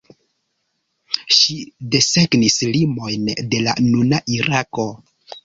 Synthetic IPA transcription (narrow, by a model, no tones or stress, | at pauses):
ʃide̞se̞ɡnislimo̞jnde̞la̰nunaʔiɾako̞